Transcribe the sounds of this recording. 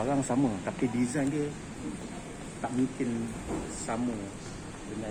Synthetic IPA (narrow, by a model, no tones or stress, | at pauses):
alaŋsamət̪apidizajndiə | t̪aʔmiŋkɪn | samə | dəna